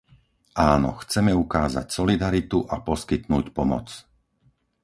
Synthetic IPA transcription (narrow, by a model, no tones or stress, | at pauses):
ʔaːnɔ̰xt͡sɛmɛukaːza̰csɔlid̪aɾit̪uʔapɔskit̪nuːcpɔmɔ̰t͡s